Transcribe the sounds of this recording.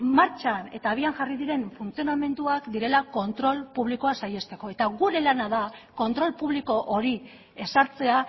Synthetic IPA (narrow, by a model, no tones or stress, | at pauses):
maɾt͡ʃane̞t̪aːβ̞iaŋʝariðiɾe̞ɱfunt͡sio̞name̞nt̪uakd̪iɾe̞lako̞nt̪ɾo̞lpuβ̞liko̞asaje̞st̪e̞ko̞e̞t̪aɣuɾe̞lanaðako̞nt̪ɾo̞lpuβliko̞ʔoɾi | e̞saɾt͡se̞a